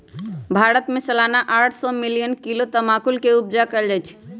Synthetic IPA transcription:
bʱaːɾət̪mesəlaːnaʔaːʈʰsɔmilijənkilot̪əmakulkeub̚d͡ʒakəld͡ʒajt͡ʃʰ

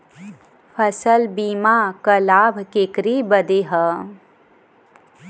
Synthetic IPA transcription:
pʰəsəlbiːmakəlaːbʱkekɾibəd̪eɦə

